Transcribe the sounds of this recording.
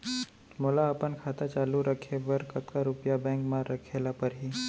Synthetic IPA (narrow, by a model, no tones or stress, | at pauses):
molaɐpənkʰaːt̪at͡ʃaːluɾəkʰeʋəɾkɐt̪kaɾupjabɛ̃ŋkmaːɾːəkʰeːlapəɾɦiː